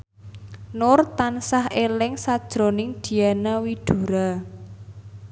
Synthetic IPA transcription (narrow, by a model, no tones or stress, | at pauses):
nʊrt̪ansahʔelɪŋsad̥ʒ̥ɾo̤nɪŋd̪̥i̤anawid̪̥ṳɾa